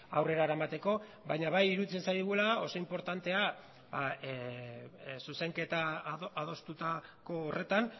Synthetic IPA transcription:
awre̞ɾaɾaemat̪e̞ko̞ | βajɲaβajiɾut͡sensajðɣulao̞so̞impo̞ɾt̪ant̪e̞a | ba | suse̞ŋke̞t̪aað̞o̞st̪ut̪ako̞ːre̞t̪an

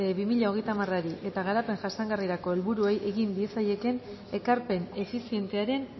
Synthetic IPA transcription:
eβimiʎao̞ɣ̞e̞jt̪amaraɾiʔe̞t̪aɣaɾape̞ŋʝasaŋɡariɾako̞elβuɾuejʔe̞ɣind̪ie̞saje̞ke̞n | e̞kaɾpe̞ne̞fisie̞nt̪e̞aɾe̞n

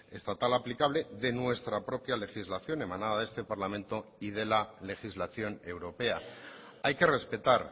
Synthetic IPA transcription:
e̞st̪at̪alaplikaβ̞le̞ðe̞nwe̞st̪ɾapɾo̞pjale̞xizlaθjo̞ne̞manaðaðe̞st̪e̞paɾlamẽ̞nt̪o̞ið̞e̞lale̞xizlaθjo̞ne̞wɾo̞pe̞a | ajke̞re̞spe̞t̪aɾ

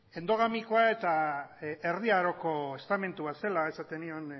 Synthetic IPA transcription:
e̞nd̪o̞ɣamikoae̞t̪a | erðiaɾo̞ko̞est̪ame̞nt̪uβase̞lae̞sat̪e̞nion

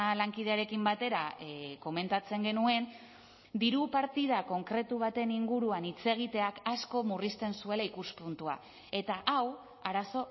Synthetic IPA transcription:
laŋkið̞e̞aɾe̞kimbat̪e̞ɾako̞me̞nt̪at͡se̞ŋɡe̞nue̞n | d̪iɾupaɾt̪iðako̞ŋkɾe̞t̪uβ̞at̪e̞niŋɡuɾuanit͡se̞ɣ̞it̪e̞akasko̞murist̪e̞nsue̞laikuspunt̪ua̰ | e̞t̪aʔaw | aɾaso̞

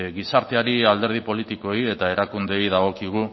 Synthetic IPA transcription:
ɣisaɾt̪e̞aɾiald̪e̞ɾð̞ipo̞lit̪iko̞ie̞t̪ae̞ɾakund̪e̞jðaɣo̞kiɣ̞u

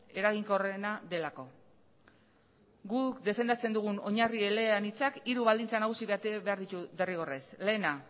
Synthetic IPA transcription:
e̞ɾaɣiŋkore̞naðe̞lako̞ | ɡukd̪e̞fe̞nd̪at͡se̞nd̪uɣ̞uno̞ɲarie̞leanit͡sakiɾuβald̪int͡sanaɣ̞usiβe̞at̪eβe̞aɾðit̪uðe̞riɣ̞o̞resle̞ːna

